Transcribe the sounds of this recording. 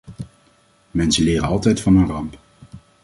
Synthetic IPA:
mɛnsəlɪːɾənɑlˠtɛjtfɑnɦənrɑmp

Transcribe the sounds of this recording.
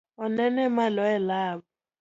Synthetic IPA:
ɔnɛnɛmalɔɛlaːbɔ

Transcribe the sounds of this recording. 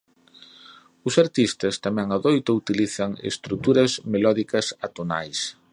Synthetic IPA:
ʊsaɾt̪ist̪ɐst̪amɛ̃ŋaðojt̪ʊut̪iliθɐŋḛst̪ɾut̪uɾɐzmelɔðikɐsat̪ona̰js

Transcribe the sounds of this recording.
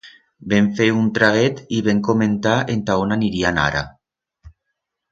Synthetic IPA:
beɱfeunt̪ɾaɣet̪iβeŋkoment̪aent̪aonaniɾiana̰ɾa̰

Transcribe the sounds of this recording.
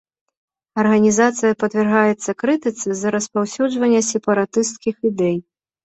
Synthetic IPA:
ɐrɣɐnʲizat̪sɨjɐpɐd̪vʲɛrɣajɛt̪sːɐkɾɨt̪ɨt̪sɨzːɐɾɐspawsʲud͡ʐvɐnʲːɐsʲɛpɐɾat̪ɨst̪kʲixid̪ɛj

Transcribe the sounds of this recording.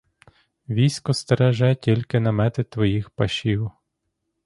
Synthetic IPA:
ʋʲijsʲkɔst̪eɾɛʒɛtʲilʲkɪnɐmɛt̪ɪt̪ʋɔjixpɐʃʲiw

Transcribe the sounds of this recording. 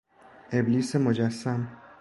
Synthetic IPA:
ebliːsemod͡ʒæsːæm

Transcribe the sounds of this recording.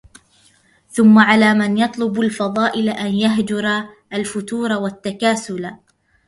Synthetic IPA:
θʊmːaʕalaːmanjɑt̪ˤlʊbalfɑðˤɑːʔɪlʔanjaɦd͡ʒʊɾˤa | ʔalfʊt̪uːɾˤɑwat̪ːakaːsʊla

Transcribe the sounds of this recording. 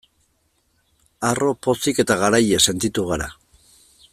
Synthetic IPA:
aro̞po̞sike̞t̪aɣaɾajese̞nt̪it̪uɣaɾa̰

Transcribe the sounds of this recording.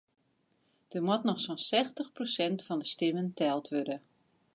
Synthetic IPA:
d̥ərmɔtnɔxsonsɛxtəxprosɛntfɔndəstɪməntɛlˠtʰʋødə

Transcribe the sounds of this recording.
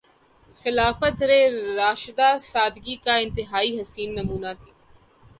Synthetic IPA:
xɪlaːfət̪ɾeɾaːʃd̪asaːd̪ɡikaɪ̃nt̪ɪɦaːiɦɐsiːnːɐmuːnat̪ʰiː

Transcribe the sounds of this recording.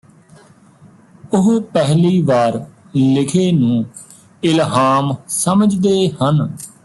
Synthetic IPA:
ʊɦpɛɦliːʋaːɾ | lɪkʰeːnũː | ɪlɦaːmsəməd͡ʒd̪eːhən

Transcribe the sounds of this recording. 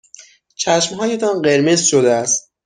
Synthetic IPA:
t͡ʃʰæʃmɦɒːje̞t̪ʰɒːnɢe̞ɾmezʃod̪eæst̪̚

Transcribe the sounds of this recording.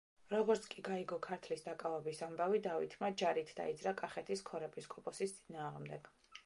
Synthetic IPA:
ɾɔɡɔɾt̪sʰkʼiɡaiɡɔkʰaɾt̪ʰlisd̪akʼavɛbisambavid̪avḭt̪ʰmad͡ʒaɾit̪ʰd̪a̰id̪zɾakʼaχɛt̪ʰiskʰɔɾɛpʼiskʼɔpʼɔsist̪sʼinaːʁmd̪ɛɡ̥

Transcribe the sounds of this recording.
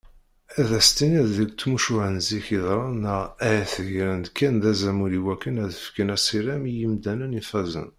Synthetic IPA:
æðæst̪iniððəlt͡s̪ːmuʃʊʕənziçiðˤɾˤɑnəæjθəʝɾənd̪kːænd̪æzæmuɾiwækːənæðəfkənæsˤiɾæmijimd̪ænənifæzə̰n

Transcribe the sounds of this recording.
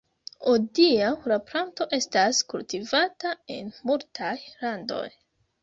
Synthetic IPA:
odiaɾapɾanto̞ʔe̞staskṵltivatae̞̰nmultʰajlando̞̰j

